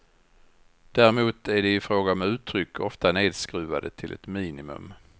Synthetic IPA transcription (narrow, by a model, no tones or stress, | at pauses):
d̪̥æːɾɛmuːt̪æɖɛɪfɾoːɡaɔmʉ̟ːt̪ʰːɾʏkʰːɔft̪aneːd̪skɾʉ̟ːva̰d̪ət̪ʰɪlʔɛ̰t̪miːnɪmɵ̰m